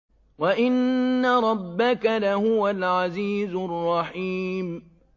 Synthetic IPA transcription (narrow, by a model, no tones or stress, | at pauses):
waʔɪnːaɾˤɑbːakalahʊwalʕaziːzʊrˤːɑħiːm